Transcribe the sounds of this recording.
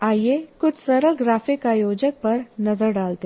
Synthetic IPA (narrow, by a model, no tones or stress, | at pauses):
aːjekʊt͡ʃʰsɐɾəlɡɾaːfɪkaːjoːd͡ʒək̚pɐɾnɐzəɾɖaːlt̪e